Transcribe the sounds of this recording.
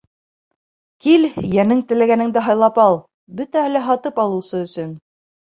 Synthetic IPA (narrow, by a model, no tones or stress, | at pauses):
kiljænɘŋt̪ɘ̆læɡænɘ̆ŋd̪æɦɑjlˠɑpɑlˠ | bɵt̪æhælæɦɑt̪ɤpɑlˠɤ̆wsɤɵ̆sɵn